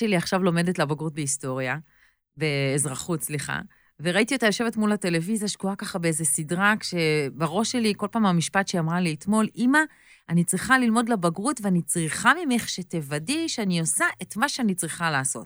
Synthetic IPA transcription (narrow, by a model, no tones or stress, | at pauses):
eliaχʃavlo̞me̞detlabaɡʁut̚beisto̞ʁja | beːzʁaχutsliχa̰ | veʁaitiotajo̞ʃeve̞tmulate̞levizjaʃkuakaχabeezesidʁakʃe̞baʁo̞ʃːe̞liko̞lpaːmamiʃpatʃeamʁaliːt̪mo̞lʔima | anit͡sʁiχalilmo̞dlabaɡʁutveanit͡sʁiχamimeχʃetevadiʃeaniosaʔe̞tmaʃeanit͡sʁiχalaːso̞̰t